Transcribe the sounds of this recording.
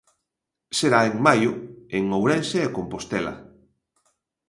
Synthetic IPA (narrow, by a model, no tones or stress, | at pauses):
seɾaeŋmajʊeŋowɾɛnseːkompost̪ɛla̰